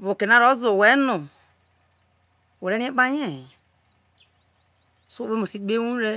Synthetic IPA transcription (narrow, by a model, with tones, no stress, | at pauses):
βu˨ke˨na˦ɾo˦zo˨we˨˦nu˨ | we˨ɾe˦i˦e˦k͡pa˦je˦˨ | so˦e˦mo˨si˨˦be˦wu˦ɾe˦